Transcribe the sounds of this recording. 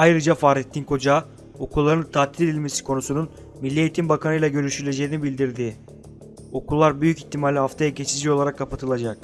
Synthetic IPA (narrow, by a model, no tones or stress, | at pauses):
ajɾɯd͡ʒafaːɾet̪ʰːinkʰo̞d͡ʒa | o̞kʰulˠːaɾɯnt̪ʰaːt̪ʰːilʲed̪ilʲme̞si̥kʰo̞nusunun | milʲːieit̪ʰimbakanɯjlˠaɟø̞ɾyʃyɾylʲe̞d͡ʒe̞jinibilʲd̪iɾd̪ɪ | o̞kʰulˠːaɾbyjyciçt̪ʰimaːlʲiɦaft̪ʰajaɟe̞t͡ʃʰid͡ʒio̞lˠaɾakʰːapat̪ʰɯlˠad͡ʒak̚